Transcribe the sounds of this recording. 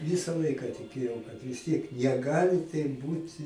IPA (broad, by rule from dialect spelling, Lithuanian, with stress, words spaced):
ˈʋʲɪsɐ ˈlˠɐɪkɐ tʲɪˈkʲeːjɛʊ kɐt ʋʲɪsʲˈtʲiɛk nʲɛˈɡɑːlʲɪ tɐɪp ˈbuːtʲ